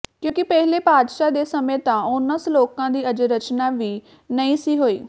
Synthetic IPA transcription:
kjõːkɪpɛɦleːpaːd̪ʃaːd̪eːsəmẽːt̪ãːʊnəsloːkãːd̪iːəd͡ʒɾət͡ʃnaːʋiː | nəĩːsiːɦoːiː

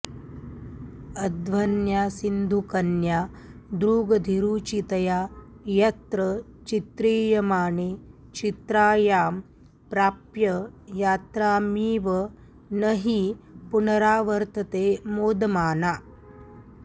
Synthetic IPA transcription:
ɐd̪ʋɐnjaːsind̪ʱukɐnja | d̪ɾuːɡɐd̪ʱiɾuːt͡ʃit̪ɐjaː | jɐt̪ɾɐ | t͡ʃit̪ɾiːjɐmaːne | t͡ʃit̪ɾaːjaːm | pɾaːpjɐjaːt̪ɾaːmiːʋɐ | nɐɦipunɐɾaːʋɐɾt̪ɐt̪eːmoːd̪ɐmaːnaː

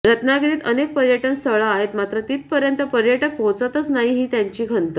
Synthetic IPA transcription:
ɾət̪naɡiɾiːt̪ənek̚pəɾjəʈənst̪ʰəɭaːɦet̪mat̪ɾət̪iːt̪̚pəɾjənt̪əpəɾjəʈək̚bʱot͡sət̪ət͡snaɦiɦiːt̪jaɲt͡ɕiːkʰənt̪ə

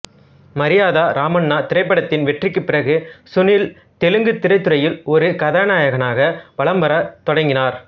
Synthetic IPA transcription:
mɐɾɪjaːðaːɾʔaːmɐɳːaːt̪ɪɾɐɪp̬ːɐɽɐt̪ːɪnʋɛʈrɪkːɯpːɪɾɐɣɯsʊnɪl | t̪ɛlɯŋɡɯt̪ːɪɾɐɪt̪ːɯɾɐjɪlɔɾɯkɐðaːnaːjɐɣɐnaːɣɐʋɐɭɐmbɐɾɐt̪ɔɽɐŋɡɪnaːɾ

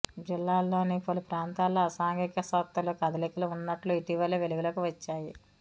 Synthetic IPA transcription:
d͡ʒilːaːlːo̞ːnipɐlupɾaːnt̪aːlːoːɐsaːŋɡikɐsɐt̪ːɐlukɐd̪ɐlikuluunːɐʈluiʈiʋɐleʋeluɡulɐkuʋɐt͡ʃːaːji

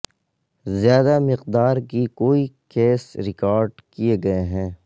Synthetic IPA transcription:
zjaːd̪amɪqd̪aːɾkikoːikeːsɾɪkaːɾɖkieɡɐeɦɛ̃ː

